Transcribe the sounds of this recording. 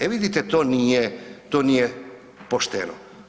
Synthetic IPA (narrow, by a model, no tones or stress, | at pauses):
eviðit̪et̪oniet̪oniɛ | post̪eno̰